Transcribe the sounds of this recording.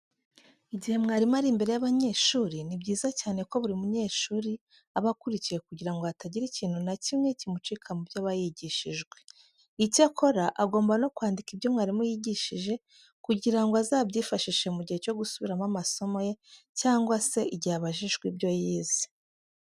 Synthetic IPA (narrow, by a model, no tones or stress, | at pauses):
iɟihe̞mŋaːɾimaɾimbe̞ɾe̞jaβaɲe̞ːʃuːɾinibɟiːzacaːne̞ko̞βuɾimuɲe̞ːʃuːɾi | aβakuɾicije̞kuɟiɾaŋɡoataɟiɾiciːn̥hunacimŋe̞cimut͡ʃikʰamubjaβajiɟiʃiʒɡwe̞ | icakʰo̞ɾaʔaɡo̞ːmbano̞kwaːndikibjo̞mŋaːɾimujiɟiʃiʒe̞ | kuɟiɾaŋɡoazaːbɟiːfaʃiʃe̞muɟihe̞co̞ɡusuβiɾamamaso̞moje | caːŋɡwase̞iɟaβaʒiʒɡwibjo̞jiːzi̥